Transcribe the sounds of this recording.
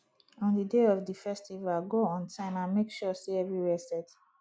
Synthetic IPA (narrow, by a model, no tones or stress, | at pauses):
ɔ̃ndideɔvdifɛstivalɡoɔ̃ntʰãɪ̃mãnmekʃɔseɛvɹiwɛsɛt